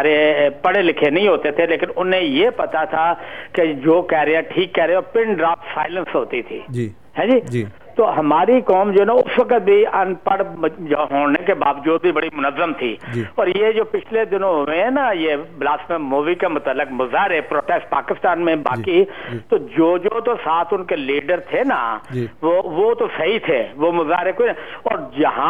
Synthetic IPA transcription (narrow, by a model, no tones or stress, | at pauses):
aːɾepɐɽelɪkʰenɐɦĩɦoːt̪et̪ʰeleːkɪnʊnẽjepɐt̪at̪ʰaked͡ʒoːkɛɦɾeãʈʰiːkːɛɾẽɔːɾpɪ̃ɳɖɾaːsaːɪlə̃nsɦoːt̪it̪ʰḭːd͡ʒ | ɦɛ̃ːd͡ʒiːd͡ʒ | t̪oɦɐmaːɾikɔːmd͡ʒoːɦɛnaʊsʋɐkət̪̚bʱiɐnpəɽd͡ʒoɦõːɽnekebaːʋd͡ʒuːd̪̚bʱibɐɽimʊnəzːəmt̪ʰḭːd͡ʒiɔːɾjed͡ʒoːpɪt͡ʃʰled̪ɪnõɦʊẽɛnajeblaːsmẽmuːʋikemʊt̪əlːɪkmʊzaːɾepɾoːʈeːsʈ̚paːkɪst̪aːnmẽba̰ːkit̪od͡ʒoːd͡ʒoːt̪osaːt̪ʰʊnkeliːɖəɾt̪ʰena̰d͡ʒʋoʋot̪osɐɦit̪ʰeʋomʊzaːɾekoːinɔːɾd͡ʒɐɦã